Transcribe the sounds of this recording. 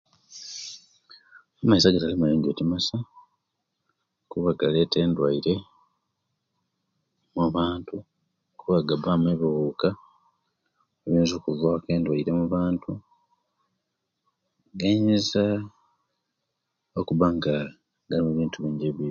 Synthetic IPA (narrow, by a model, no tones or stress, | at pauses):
amaisaɡatalimuleːɲɟo̞timasa | kuβaɡale̞ːte̞ːndwaiɾe̞ | muβaːntu | kuβaɡabamweβiɣuːka | eβiːnzukuvake̞ːndwaiɾe̞muβaːntʰu | ɡeɲiza | okuβaŋɡa | ɡalimuβiːntuβiːɲɟeβi